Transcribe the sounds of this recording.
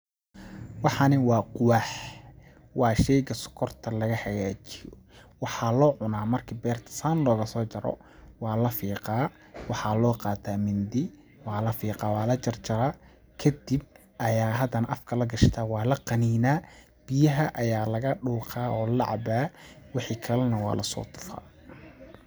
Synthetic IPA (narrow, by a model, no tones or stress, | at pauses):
wɑħɑnɪwɑːqʊwɑħ | wɑːʃɛjɣɐsʊ̥kʰɔrt̪ʰɐlɐɣɐħɐɣaːt͡ʃɪjɔ̰ | wɑħɑːlɔːʕʊnaːmɐrkʰɪbɛːrt̪ʰɐ̥saːnlɔːɣɐsɔːt͡ʃɐɾɔ̰ | wɑːlɐfiːqɑː | wɑħɑːlɔːqɑːt̪ʰaːmɪnd̪ɪ | wɑːlɐfiːqɑːwɑːlɐt͡ʃɐrt͡ʃɐɾaː | kʰɐd̪ib̚ | ʔɐjaːɦɐd̪ɐnʔɐfkʰɐlɐɡɐʃt̪ʰaːwɑːlɐqɐniːnaː | b̥ɪjɐɦɐʔɐjaːlɐɣɐɖuːqʰɑːʔɔːlɑʕɑ̰baːwɪħikʰɐlɐnɐwɑ̰ːlɐsɔ̰ːt̪ʰʊ̥fa̰ː